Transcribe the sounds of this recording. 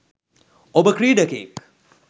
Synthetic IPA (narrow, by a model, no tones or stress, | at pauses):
obəkɾiːɖəkḛːk